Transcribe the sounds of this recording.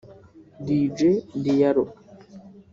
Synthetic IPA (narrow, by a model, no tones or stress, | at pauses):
did͡ʒedijaɾo